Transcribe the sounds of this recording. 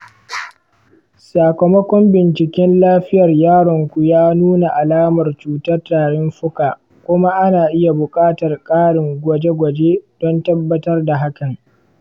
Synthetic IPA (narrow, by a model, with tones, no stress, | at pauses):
saː˨kɐ˨mɐ˦kʷɔ˦mbɪ˨nt͡ʃɪ˨kʲɛ˦nlaː˦ɸɪ˦jɐ˨rjaː˦ɽɔ˨ŋkʷu˨jaː˦nuː˦na˨ʔa˨laː˦mɐ˨rt͡ʃuː˨tɐ˦rtaː˨ɽɪ˦mɸʊ˦kaː˨ | kʷʊ˦ma˦ʔa˦naː˨ʔɪ˦ja˨bʊ˨kʼaː˦tɐ˨rkʼaː˦ɽɪ˨ŋɡʷɔ˨d͡ʒe˦ɡʷɐ˨d͡ʒe˦d̥ɔ˦ntɐ˦bːɐ˦tɐ˦rda˨ɦa˦kɐ˨ŋ